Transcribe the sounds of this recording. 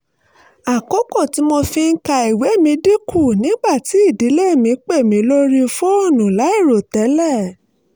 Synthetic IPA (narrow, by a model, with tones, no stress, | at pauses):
a˨kɔ˦kɔ˦˨ti˨˦mo˧fĩ˧ŋ̩˦ka˧i˨we˨˦˨mĩ˧di˦kʰu˦˨nĩ˨˦ɡ͡ba˦˨ti˨˦i˦˨di˨˦le˦˨mĩ˧k͡pe˦˨mĩ˧˦lo˦ɾi˦˧fo˦o˦˨nũ˨la˨˦i˦˨ɾo˨tɛ˨˦lɛ˦˨